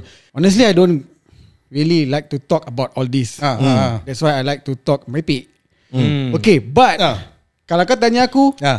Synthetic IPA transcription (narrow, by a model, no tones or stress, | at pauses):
ɔnəs̬tliajdõn | ɹililajk̚tut̪ɔkəbawtɔldisadɛtswajajlajk̚tut̪ɔk̚mɹɛpit̚ | okebat̚ | kalaakat̪̬aɲaakuja